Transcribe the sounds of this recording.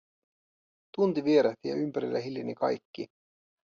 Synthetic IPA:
t̪unt̪iʋieɾæht̪ijɑ̰ympæɾilːæɦiljinikɑ̰jkːi

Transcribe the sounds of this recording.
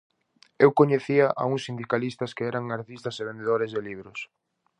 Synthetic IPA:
ewkoɲeθiaʔa̰uŋsːind̪ikalist̪ɐskeɛɾaŋaɾt̪ist̪ɐseβ̞end̪eðoɾɪzðeliβ̞ɾʊs

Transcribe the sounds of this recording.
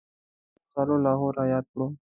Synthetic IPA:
saːloːlaːɦoːɾaːjaːd̪̚kəɽoː

